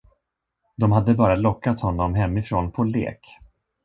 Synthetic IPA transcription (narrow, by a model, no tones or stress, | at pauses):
d̪ɔmhad̪ːəbɑːɾalɔkːat̪hɔnːɔmɦɛmːɪfɾoːnpʰɔlḛːk